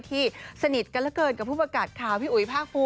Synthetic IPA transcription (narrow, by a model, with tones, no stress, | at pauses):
t̪ʰiː˥˩sa˧ni˨˩t̪̚ka˧nla˦˥kɤː˧nka˨˩pʰːuː˥˩pkaː˨˩t̪̚kʰaː˨˩˦wt̪ʰiː˥˩ʔu˨˩i˦pʰaː˥˩k̚pʰuː˧